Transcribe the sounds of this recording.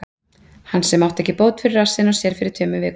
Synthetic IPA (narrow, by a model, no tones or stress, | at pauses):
hansɛmːawht̪ɛhcːɪpoːwt̪fɪɾɪrasɪnɔsjɛɾ̥fɪɾɪɾ̥t̪ʰœːmʏvɪ